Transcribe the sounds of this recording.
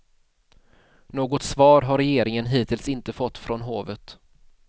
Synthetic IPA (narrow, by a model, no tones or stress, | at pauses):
noːɡɔt̪svɑːɾɦaɾɛjeːɾɪŋənɦiːt̪ʰɪlsɪnt̪əfɔt̪ːfɾɔnɦoːvət̪